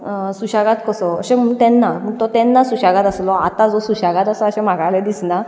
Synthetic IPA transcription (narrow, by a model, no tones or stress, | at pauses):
suɕaɡat̪kəsɔə̰ɕẽm̤ət̪ɛnːaməɡt̪ɔt̪ɛnːasuɕaɡat̪əslɔat̪ad͡zɔsuɕaɡat̪əsəəɕɛ̃m̤aɡalɛd̪isna